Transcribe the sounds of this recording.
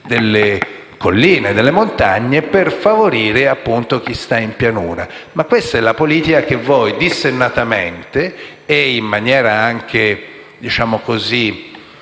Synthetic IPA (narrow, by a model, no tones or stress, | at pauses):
d̪elːe | kolːiːned̪elːemont̪aɲːeperfavoɾiːɾeapːunt̪ok̟ist̪aimpjanuːɾa̰ | makːwest̪aɛlːapoliːt̪ikak̟evːɔjd̪isːenːat̪ament̪e | eimːanjɛːɾaaŋkʰe | d̪it͡ʃaːmokozi